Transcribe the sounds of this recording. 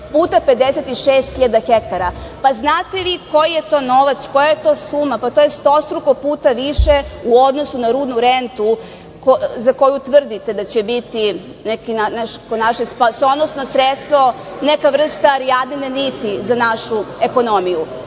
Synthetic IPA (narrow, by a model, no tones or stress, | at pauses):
puːt̪aped̪eset̪iʃeːst̪xiʎad̪axekt̪aɾapaznaːt̪e̞ʋiko̞jije̞t̪o̞ːno̞ʋat̪sko̞jajet̪o̞ːsumapat̪ojest̪o̞st̪ɾuko̞puːt̪aʋiʃeuo̞d̪no̞sunaɾuːd̪nuɾent̪u | kozako̞jut̪ʋr̩d̪it̪e̞d̪at͡ɕebit̪i | nekinanaʃkonaʃespasonosnosɾet̪st̪ʋo̞nekaʋr̩st̪aɾiad̪ninenit̪izanaʃueko̞no̞miju